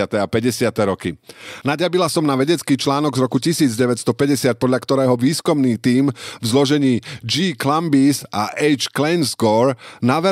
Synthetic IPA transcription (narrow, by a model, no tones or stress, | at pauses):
at̪ɛapɛɟɛsɪat̪ɛɾɔkinaɟjabilasɔmnaʋɛɟɛt͡skiːt͡ʃlaːnɔɡzɾɔkucisiːd͡zɟɛʋɛcst̪ɔpɛɟɛsɪac̪̚pɔd̪ʎakt̪ɔɾɛːɦɔʋiːskumniːt̪iːmvzlɔʒɛɲiːd͡ʒiːklambisaʔɛjt͡ʃklɛjnzɡɔːɾnaʋɛ